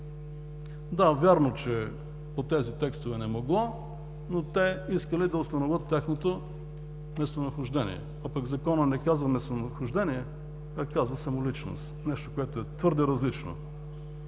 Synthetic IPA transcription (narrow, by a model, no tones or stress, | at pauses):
d̪avʲjaɾnot͡ʃɛ | pot̪ɛzit̪ɛkst̪ovɛnɛmoɡlˠɔ | not̪ɛiskəlid̪ɐʊst̪ɐnovət̪ːaxnot̪o | mɛst̪onɐxʊʒd̪ɛnḭɛ̰ | apɐɡzɐkɔnənɛkazvɐmɛst̪onɐxʊʒd̪ɛniɛ | kakːazvəsɐmʊlit͡ʃno̰st̪nɛʃt̪o̥koɛt̪oɛt̪vɤɾd̪ɛɾɐzlit͡ʃno̰